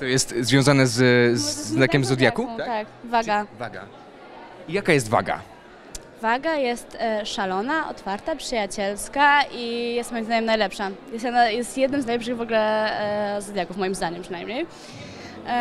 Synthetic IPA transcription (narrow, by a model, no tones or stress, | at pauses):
t̪ɔjɛst̪zvʲjɔ̃w̃zanɛzzːnakʲɛmzɔd̪ʲjakut̪akvaɡavaɡa̰ | ijakajɛst̪va̰ɡa̰ | vaɡajɛst̪ʂalɔnaʔɔ̰t̪faɾt̪apʂɨjat͡ɕɛlskaijɛst̪mɔjimzd̪aɲɛmnajlɛpʂajɛst̪najɛst̪jɛd̪nɘmznajlɛpʂɘɣvɔɡulɛ | zɔd̪jakufmɔjimzd̪aɲɛmpʂɨnajmɲej